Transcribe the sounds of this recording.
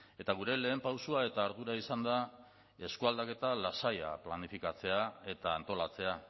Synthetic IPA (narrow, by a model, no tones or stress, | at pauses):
e̞t̪aɣ̞uɾe̞le̞ːmpawsuae̞t̪aːɾðuɾaisand̪a | e̞skuald̪ake̞t̪alasaja̰planifikat͡se̞ae̞t̪aːnt̪o̞lat͡se̞a